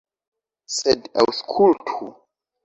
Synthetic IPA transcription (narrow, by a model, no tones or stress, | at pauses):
sɛda̰wskʰultʰu